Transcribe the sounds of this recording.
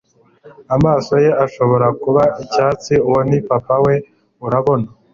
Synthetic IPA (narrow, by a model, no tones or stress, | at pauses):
amaːso̞je̞aʃo̞βo̞ɾakuβaicaːt͡siuwonipapawe̞ | uɾaβo̞na